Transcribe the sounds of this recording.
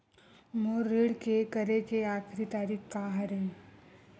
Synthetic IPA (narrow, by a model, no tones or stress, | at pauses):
moːɾeːɽkekəɾekeaːkʰɾit̪aːɾiːkkaɦɐɾẽŋ